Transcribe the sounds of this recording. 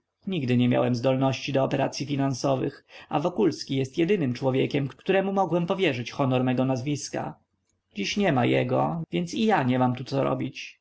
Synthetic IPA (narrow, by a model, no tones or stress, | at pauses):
ɲiɡd̪ɘɲɛmʲja̰wɛmzd̪ɔlnɔɕt͡ɕid̪ɔːpɛɾa̰t̪sʲjifʲinansɔvɘ̰xa̰vɔkulskʲijɛst̪jɛd̪ɘnɘmt͡ʂwɔvʲjɛkʲɛmkkt̪uɾɛmumɔɡwɛmpɔvʲjɛʐɘt͡ɕxɔnɔɾmɛɡɔnazvʲiska̰ | d͡ʑiɕɲɛmajɛ̰ɡɔvʲjɛnt̪sijaɲɛmamt̪ut̪sɔɾɔ̰bʲit͡ɕ